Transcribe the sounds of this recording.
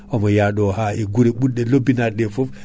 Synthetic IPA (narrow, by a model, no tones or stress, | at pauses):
ʔɔmɔjaɗɔhaʔɛɡuɾɛɓuɗɛlobːinaɾɗɛfof